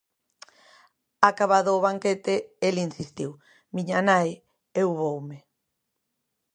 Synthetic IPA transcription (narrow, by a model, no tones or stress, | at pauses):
akaβaðoːβaŋket̪eelinsist̪iw | miɲanaj | ewβowmɪ